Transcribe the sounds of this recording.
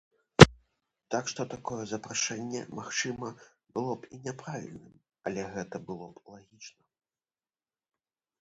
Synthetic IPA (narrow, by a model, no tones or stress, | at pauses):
t̪akʂt̪ɔt̪akɔjɛzɐpɾaʂɛnʲːɛ̰maxt͡ʂɨmɐ | bɨlˠɔpinʲɛpɾavʲḭlʲnɨm | ɐlʲɛɣɛt̪ɐbɨlˠɔplˠaɣʲit͡ʂnɐ